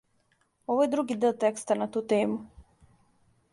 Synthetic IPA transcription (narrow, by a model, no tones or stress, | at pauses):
ɔvojɛd̪ɾuɡid̪ɛlˠt̪ɛkst̪anat̪uːt̪eːmu